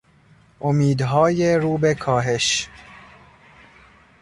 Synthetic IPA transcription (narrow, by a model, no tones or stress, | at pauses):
ʔomiːd̪ɦɒːjeɾuːbe̞kʰɒːɦe̞ʃ